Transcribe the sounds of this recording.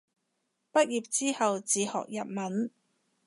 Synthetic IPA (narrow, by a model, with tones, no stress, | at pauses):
pɐ˥t̚jiː˨p̚t͡siː˥hɐ˨wt͡siː˨˧hɔ̰ː˨k̚jɐ˨p̚mɐ˨˥n